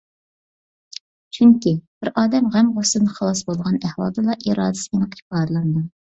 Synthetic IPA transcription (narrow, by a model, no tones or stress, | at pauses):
t͡ʃʰyŋkʲib̥ɪɾɑːd̪ɛmʁæmʁosɨnɨχɑlˠɑsbolˠʁɑnɛhwɑ̰lˠd̪ɨlˠɑʔiɾɑːd̪ɪsɨinqi̥pɑːd̪lˠɑnd̪ɨ